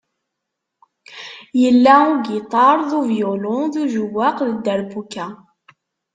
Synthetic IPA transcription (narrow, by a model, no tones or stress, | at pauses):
jəlːæuɡit̪ˤɑɾˤðuvjolʊduʒuwːaqðəd̪ːəɾbukːæ